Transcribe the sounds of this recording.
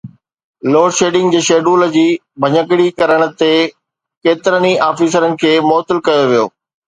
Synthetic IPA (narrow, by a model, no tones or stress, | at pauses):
loːɽʃeːɖɪ̃ŋɡd͡ʑeːʃeːɖuːlə̆d͡ʑiː | bʱɐɲək̬ɪɽikɐɾəɽ̃ə̆t̪e | keːt̪ɪɾəniʔaːfiːs̬əɾənɪ̆kʰeːmɔːt̪ɪlkɐjoʋijo̰ː